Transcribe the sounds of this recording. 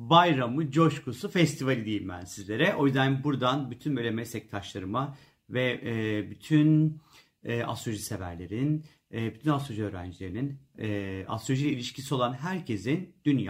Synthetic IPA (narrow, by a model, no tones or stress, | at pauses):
bajɾamɯd͡ʒo̞ʃkʰusufɛst̪ʰivalʲid̪ejimbæ̰nsizlʲe̞ɾɛʔo̞jyzd̪ænbuɾd̪anbyt̪ʰynbølʲemɛst̪ʰɛc̚t̪ʰaʃlˠaɾɯma | vɛbyt̪ʰyn | ɛa̰st̪ɾoʒisevæ̰ɾlʲe̞ɾinnː | byt̪ʰynast̪ɾoʒiøːɾæ̰nd͡ʒilʲe̞ɾininː | a̰st̪ɾo̞ʒiilʲiʃcʰisio̞lˠanɦæɾcʰe̞zind̪̥ynjaː